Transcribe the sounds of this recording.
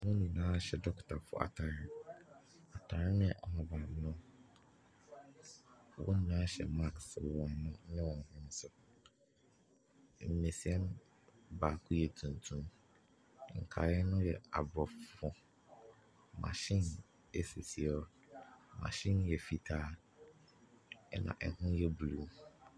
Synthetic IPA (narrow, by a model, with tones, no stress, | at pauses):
nʊ̃˦nĩ˨nãː˦˨ɕɛ˨dɔ˦ktʰa˨fʊ̰˨ʔa̰˨tʰa˨ɾɪ̃˦n | a˨tʰa˨ɾɪ̃˦nɪ̃˦ɛ˨ʔɔ˨mã˨bã˨mnʊ̃˦ | wʔɔ̰̃˦n˦nãː˦ɕɛ̰˨ma˦kswɔ̃˨nnʊ̃˦nɪ̃˦wɔ̃˨n˨hɪ̃˦n˦sʊ˦ | m̩˨ne˨si˨ɛ˦n | ba˨kʰʊ˦jɛ˨tʰũ˨ntʰũ˦m˨ | ŋ̩˨kʰa˨ɛ˦nʊ̃˦jɛ˨a˨bɾɔ˨ffɔ˨ | mã̰˨ɕɪ̃˦˨n | e˦se˨si˨ɛ˦ | mã̰˨ɕɪ̃˦njɛ˨fi˨tʰaː˦ | ɛ˨nã̰˨ʔɛ˨hʊ̃˦jɛ˦bu˨lu˨